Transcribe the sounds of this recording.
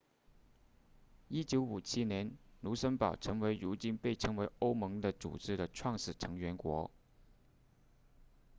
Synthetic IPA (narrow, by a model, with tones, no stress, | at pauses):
i˥t͡ɕjo˧˥ʊu˨˩t͡ɕʰi˥njɛ˧˥nnu˧˥ʂə˥npɑ˨˩ʊʈ͡ʂʰɤ˧˥ŋwe˧˥ɪɻu˧˥t͡ɕi˥˧npe˥˩ɪʈ͡ʂʰɤ˧˥ŋwe˧˥ɪo˥ʊmɤ˧˥ŋd̪ə˧t͡sṵ˨˩ʈ͡ʂɻ̩˥˩d̪ə˨ʈ͡ʂʰwɑ˥˩ŋʂɻ̩˨˩ʈ͡ʂʰɤ˧˥ŋɥɛ˧˥nkwɔ̰˧˥